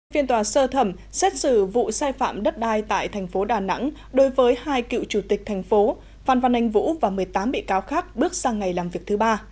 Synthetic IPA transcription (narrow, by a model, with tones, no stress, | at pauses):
fi˧ənt̪waː˨˩səː˧t̪ʰə˧˩m | sɛ˦˥t̚sɨ̰˧˩vṵ˧˨saː˧jfa̰ː˧˨mɗə˦˥t̚ɗaː˧jt̪a̰ː˧˨jt̪ʰɛ˨˩jŋ̟fo˨˦ɗaː˨˩na̰˧˥ŋ | ɗo˨˦jvəː˨˦jhaː˧jkḭ˧˨wt͡ɕu˧˩t̪ï˨˩k̟̚t̪ʰɛ˨˩ŋ̟fo˨˦ | faː˧˩nva˧˩nha˧˩jŋ̟vṵ˧˥vaː˨˩mɨ˨˩əjt̪aː˨˦mɓḭ˧˨kaː˨˦wxaː˦˥k̚ɓɨ˦˥ək̚zaː˧ŋa˨˩jlaː˨˩mvi˨˩ək̚t̪ʰɨ˨˦ɓaː˧